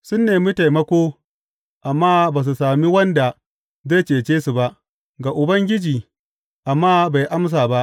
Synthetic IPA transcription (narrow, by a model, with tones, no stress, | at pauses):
sʊ˦nːeː˨mi˦ta˨jmɐ˦kʷoː˦ | ʔa˨mːaː˦baː˨s̬u˨saː˨mi˦wɐ˦nda˨ | za˦t͡ʃeː˨t͡ʃeː˦su˨ba˦ʔ | ɡa˨ʔʊ˨bɐ˦ŋɡʲɪ˦d͡ʒiː˨ | ʔa˨mːaː˦ba˨jʔa˦ms̬aː˨ba˦ʔ